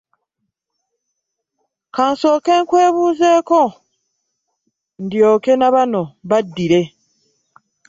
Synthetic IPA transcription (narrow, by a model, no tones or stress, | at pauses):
kaːnso̞ːkeŋkwe̞ːβuːze̞ːko̞ | ndjo̞ːke̞naβano̞βadːiɾe̞